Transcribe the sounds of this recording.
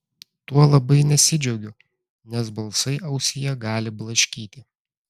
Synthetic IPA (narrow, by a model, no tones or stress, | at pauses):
t̪uɔlˠɐbɐɪnʲɛsʲɪd͡ʒʲɛʊɡʲʊ | nʲɛs̬bɐlˠsɐɪʔɐʊsʲɪjɛɡɑːlʲɪblˠɐʃʲkʲiːt̪ʲɪ